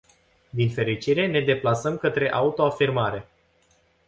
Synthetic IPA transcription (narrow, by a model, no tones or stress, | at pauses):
d̪infe̞ɾit͡ʃiɾe̞ne̞d̪e̞plasəmkət̪ɾe̞ʔaut̪o̞afirmaɾe̞